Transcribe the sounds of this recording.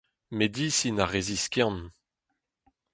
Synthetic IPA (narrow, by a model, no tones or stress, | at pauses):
med̪isinaʁeziskʲɑ̃n